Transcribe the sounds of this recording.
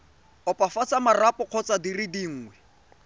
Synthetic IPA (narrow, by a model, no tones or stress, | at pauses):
ɔpʼafat͡samarapʼɔq͡χʰɔt͡sʼadiridiŋ̩ːŋwɛ